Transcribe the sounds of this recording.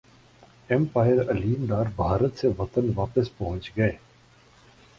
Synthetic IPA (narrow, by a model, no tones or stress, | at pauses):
ɛmpaːjəɾɐliːnd̪aːɾbʱaːɾət̪seʋɐt̪ənʋaːpəspɐɦʊ̃nt͡ʃɡɐeː